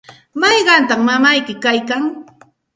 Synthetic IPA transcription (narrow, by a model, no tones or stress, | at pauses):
mɑjɢɑnt̪aŋmamajkɪkajkaŋ